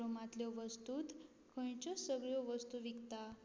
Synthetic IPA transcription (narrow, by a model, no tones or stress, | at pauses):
omat̪ljɔʋəst̪uːt̪ | kʰə̃j̃t͡ɕɔsəɡɭjɔʋəst̪uʋikt̪a